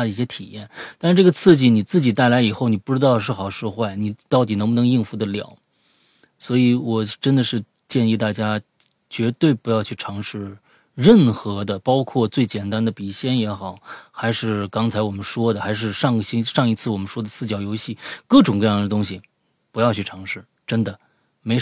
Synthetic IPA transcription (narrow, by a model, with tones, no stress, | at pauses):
i˥˩ɕjɛ˥t̪ʰi˨˩jɛ˥˩nt̪a˥˧ʂɻ̩˥˧ʈ͡ʂɤ˥˩ɡə˩t͡sʰɹ̩˥˧t͡ɕi˥˩ni˨˩t͡sɹ̩˥˩t͡ɕi˨˩t̪a˥˩ɪla˧˥ɪi˨˩xo˥˩ʊni˨˩pu˥˩ʈ͡ʂɻ̩˥t̪ɑ˥˧ʊə˧ʂ̬ɻ̩˥˩xɑ˨˩ʊʂɻ̩˥˧xwa˥˩ɪni˨˩t̪ɑ˥˩ʊt̪i˨˩nɤ˧˥ŋbʊ˧n˧˥ŋi˥˩nfu˧˥d̪ə˧ljɑ̰˨˩˦ʊ | swɔ˧˥i˧˥wɔ˨˩ʈ͡ʂə˥nd̪ə˨ʂɻ̩˥˧ | t͡ɕjɛ˥˧ni˥˧t̪a˥˩t͡ɕja˥ | t͡ɕɥɛ˧˥t̪we˥˩ɪpu˧˥jɑ˥˧ʊt͡ɕʰy˥˩ʈ͡ʂʰɑ˧˥ŋʂɻ̩˥˧ | ɻə˥˩nxɤ˧˥d̪ə˧pɑ˥ʊkʰwɔ˥˧t͡swe˥˩ɪt͡ɕjɛ˨˩nt̪a˥nd̪ə˨pi˨˩ɕjɛ˥˩njɛ˧˥xɑ˨˩˦ʊxa˧˥ɪʂɻ̩˥˩kɑ˥ŋt͡sʰa˧˥ɪwɔ˨˩mə˦nʂwɔ˥d̪ə˨xa˧˥ɪʂ̬ɻ̩˥˧ʂɑ˥˩ŋɡə˩ɕi˥ʂɑ˥˧ŋi˧˥t͡sʰɹ̩˥˩wɔ˨˩mə˦nʂwɔ˥d̪ə˨sɹ̩˥˩t͡ɕjɑ˨˩ʊjo˧˥ʊɕi˥˩kɤ˥˩ʈ͡ʂʊ˨˩ŋkɤ˥˧jɑ˥˩ŋd̪ə˩t̪ʊ˥ŋɕi˨ | pu˧˥jɑ˥˧ʊt͡ɕʰy˥˩ʈ͡ʂʰɑ˧˥ŋʂɻ̩˥˩ | ʈ͡ʂə˥nd̪ə˨ | me˧˥ɪ